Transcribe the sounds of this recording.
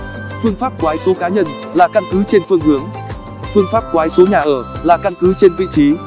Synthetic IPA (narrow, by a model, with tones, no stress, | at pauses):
fɨ˧əŋfaː˦˥p̚kwaː˨˦jso˨˦kaː˨˦ɲə˧n | laː˨˩ka˧nkɨ˨˦t͡ɕe˧nfɨ˧əŋhɨ˨˦əŋ | fɨ˧əŋfaː˦˥p̚kwaː˨˦jso˨˦ɲaː˨˩ʔəː˧˩laː˨˩ka˧nkɨ˨˦t͡ɕe˧nvḭ˧˨t͡ɕi˨˦